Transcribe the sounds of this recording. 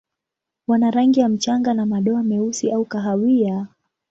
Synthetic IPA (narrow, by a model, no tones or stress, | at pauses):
wanaɾaŋɡijam̩t͡ʃaŋɡanamaɗɔamɛusiaukaɦawia